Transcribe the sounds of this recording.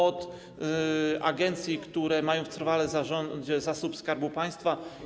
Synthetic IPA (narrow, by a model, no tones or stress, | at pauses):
ɔt̪ | ʔaɡɛnt̪sʲjikt̪uɾɛmajɔ̃w̃ft̪ɾvalɛzaɔd͡ʑɛzasupskaɾbupaj̃st̪fa